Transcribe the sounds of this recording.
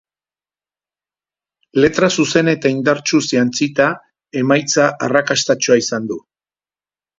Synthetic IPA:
le̞t̪ɾasuse̞ne̞t̪aind̪aɾt͡ʃusiant͡sit̪a | e̞majt͡saʔarakast̪at͡ʃuaisand̪u

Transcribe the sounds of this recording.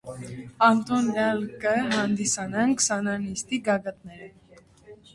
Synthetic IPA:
ɑnt̪ɔnɑlkəɦɑnd̪isɑnɑŋkʰsɑnɑnist̪iɡɑɡɑt̪nɛɾə

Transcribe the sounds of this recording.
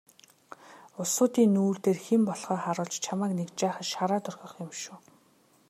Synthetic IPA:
ʊsʊːt̪iːnːuːrt̪eːrxempɔɮχɔːχaɾʊːɮt͡ɕt͡ɕʰamaːknekt͡ɕaːχə̆ʃaɾaːt̪ʊrxʲɞ̆χɪmʃuː

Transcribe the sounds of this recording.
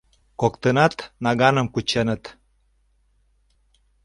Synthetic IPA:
kokt̪ənɑt̪nɑɣɑnəmkut͡ɕenə̆t̪

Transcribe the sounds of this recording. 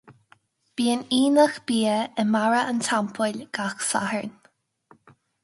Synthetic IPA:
b̥iːəniːnəxb̥iːəəmaɹəʔəntʰampʰəlʲɡ̥axsa̰həɹn

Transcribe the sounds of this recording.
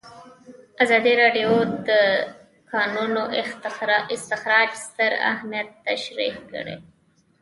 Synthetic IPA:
azɑd̪iɾɑɖijod̪ə | kɑnuno | ɪst̪ɪxɾɑd͡ʒst̪əɾa̰hmijat̪ːaʃɾihkə̰ɽḛ

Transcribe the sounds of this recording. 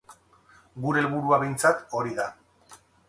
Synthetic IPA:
ɡuɾe̞ːlβuɾuaβe̞jnt͡sat̪o̞ɾiða

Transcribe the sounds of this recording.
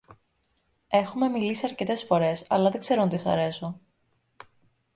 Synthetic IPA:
e̞xume̞milisiɐɾce̞t̪e̞sfo̞ɾe̞sɐ̰lɐðe̞ɡ̥ze̞ɾont̪isɐ̰ɾe̞so̞

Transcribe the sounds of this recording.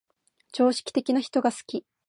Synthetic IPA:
t͡ɕo̞ːɕi̥kʲi̥t̪e̞kʲinaçi̥t̪o̞ɡasɨ̥kʲi

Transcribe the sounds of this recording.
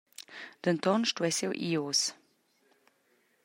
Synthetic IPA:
d̪̥ənt̪ɔnʃtuɛsɛwʔios

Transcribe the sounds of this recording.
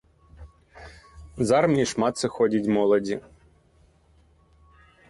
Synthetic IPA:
zɑrmnʲiʃmɑt̪sɨxɔdʲitʲmɔlˠɔdʲi

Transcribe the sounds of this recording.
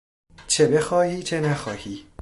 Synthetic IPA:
t͡ʃʰe̞be̞xɒːhiːt͡ʃʰe̞næxɒ̰ːhiː

